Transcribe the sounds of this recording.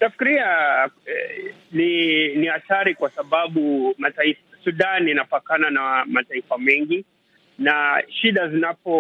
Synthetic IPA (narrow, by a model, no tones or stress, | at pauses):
nafi̥kiɾiaɛninihataɾikwasaɓaɓumataifasuɗanjanapakananamataifamɛŋɡi | naʃiɗazinapɔ